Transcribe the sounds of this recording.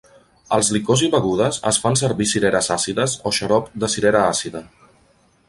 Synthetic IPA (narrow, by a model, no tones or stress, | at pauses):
əlˠzlikoziβəɣuð̞əzə̰sfans̬əɾβisiɾɛɾəzasiðəzoʃəɾɔpd̪əsiɾɛɾəasiðə